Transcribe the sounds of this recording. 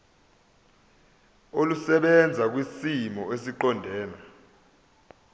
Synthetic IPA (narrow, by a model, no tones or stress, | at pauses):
olusɛɓɛnd͡zʱak̬wisimɔesiǃɔndʱɛːna